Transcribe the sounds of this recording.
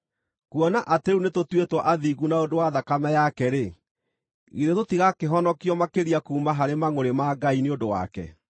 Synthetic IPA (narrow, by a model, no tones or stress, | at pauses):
kwɔnaʔateɾunetotwetwɔʔaðiɣunaodowaðakamɛjakɛɾe | ɣiɾetotiɣakeɦɔnɔkiɔmakeɾiakuːmaɦaɾemaŋoɾemaɡaineondowa̰kɛ̰